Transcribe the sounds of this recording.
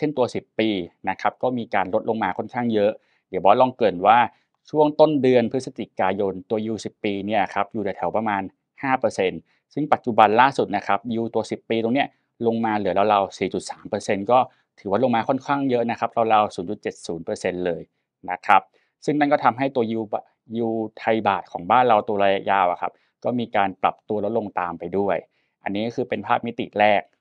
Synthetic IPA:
t͡ɕʰe˥˩nt̪u˧ɐsi˨˩pːiː˧na˦˥kʰa˦˥p̚kɔː˥˩miː˧kaː˧nlo˦˥t̪̚lo˧ŋmaː˧kʰɔ˥˩nkʰaː˥˩ŋjɤ˦˥ʔ | di˩˦wbɔː˦˥lɔ˧ŋkɤː˨˩nwaː˥˩ | t͡ɕʰu˥˩əŋt̪o˥˩ndɯ˧ənpʰɯ˦˥sa˧t͡ɕi˨˩kaː˧jo˧nt̪u˧ɐjuː˧si˨˩pːiː˧ni˥˩ɐkʰa˦˥p̚juː˨˩t̪a˨˩t̪ʰɛ˩˦wpɾa˧maː˧n | haː˥˩pɤː˧se˧n | sɯ˥˩ŋpa˨˩t̪̚t͡ɕu˨˩ba˧nlaː˥˩su˨˩t̪̚na˦˥kʰa˦˥p̚juː˧t̪u˧ɐsi˨˩pːiː˧t̪o˧ŋni˦˥ɐ | lo˧ŋmaː˧lɯ˩˦la˧wɾa˧wsiː˨˩t͡ɕu˨˩saː˩˦mpɤː˧se˧nkɔː˥˩ | t̪ʰɯː˩˦waː˥˩lo˧ŋmaː˧kʰɔ˥˩nkʰaː˥˩ŋjɤ˦˥ʔna˦˥kʰa˦˥p̚ɾa˧wɾaː˧wsuː˩˦nt͡ɕu˨˩t̪̚t͡ɕe˨˩t̪̚suː˩˦npɤː˧se˧nlɤː˧j | na˦˥kʰa˦˥p̚ | sɯ˥˩ŋna˥˩nkɔː˥˩t̪ʰa˧mɦa˥˩jt̪u˧ɐji˧b | ju˧t̪ʰa˧jbaː˨˩t̪̚kʰɔː˩˦ŋbaː˥˩nɾa˧wt̪u˧ɐɾaː˧ja˦˧˥jaː˧˩wʔa̰˨˩kʰa˦˥p̚ | kɔː˥˩miː˧kaː˧npla̰˨˩p̚t̪u˧lɔ˦˥t̪̚lo˧ŋt̪aː˧mpa˧jdu˥˩əj | ʔa̰˧nːiː˦˥kɔ˥kʰɯː˧pe˧npʰaː˥˩p̚mi˦˥t̪ḭ˨˩ʔɾɛː˥˩k̚

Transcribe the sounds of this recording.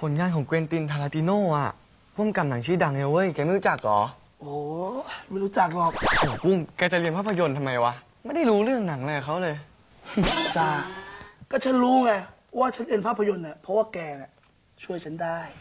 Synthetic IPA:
pʰo˩˦nŋaː˧nkʰɔː˩˦ŋkweː˧nt̪i˧nt̪ʰa˧aː˧t̪i˧noː˥˩ʔa̰˨˩ | pʰu˥˩ə˨mka˧mna˨˩˦ŋt͡ɕʰiː˧˥˩da˧ŋʔe˧˩wʔɤː˦˥˩jkɛː˧ma˥˩jɾu˦˥t͡ɕa˨˩k̚lɔ̰ː˨˩˦ | ʔoː˨˩ma˥˩˨ɾu˦˥t͡ɕa˨˩k̚lɔː˨˩k̚ʔoː˨˩˦ku˥˩ŋkɛː˧t͡ɕa˨˩ʔli˧npʰaː˥˩pʰːa˧jo˧nt̪ʰa˧mːa˧jwa˦˥ | ma˥˩jda˥˩jɾuː˦˥ɾɯ˥˩əŋna˨˩˦ŋlaː˧a˨˩kʰa˦˥wlɤː˧j | t͡ɕa˧˩kɔː˥˩t͡ɕʰa˦˥nɾuː˦˥ŋa˧˩ | waː˥˩t͡ɕʰa˦˥nʔe˧ə˨npʰaː˥˩pʰːa˧jo˧nːa˨˩pʰɔ˦˥waː˥˩kɛː˧ni˨˩ | t͡ɕʰu˥˩əjt͡ɕʰa˦˥ndaː˥˩j

